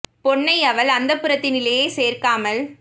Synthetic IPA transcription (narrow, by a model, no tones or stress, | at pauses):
pɔɳːɐɪɐʋɐlɐnd̪ɐpːɯɾɐt̪ːɪnɪlɐjeːseːrkaːmɐl